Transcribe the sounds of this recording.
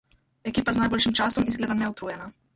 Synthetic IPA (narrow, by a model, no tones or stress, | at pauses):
ɛkiːpaznajboːlʃimt͡ʃasɔmizɡleːd̪amnɛut̪ɾujɛna